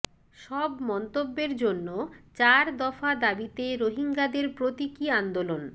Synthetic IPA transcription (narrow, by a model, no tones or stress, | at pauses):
ʃɔbmɔnt̪obːeɾd͡ʑonːot͡ɕaɾd̪ɔfad̪abit̪eɾoɦiŋɡad̪eɾpɾot̪ikiand̪olon